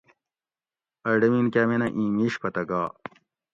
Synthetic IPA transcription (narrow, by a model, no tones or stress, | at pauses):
ɐɖɐminkaːmenɐʔĩːmiːɕpɐt̪ɐɡaː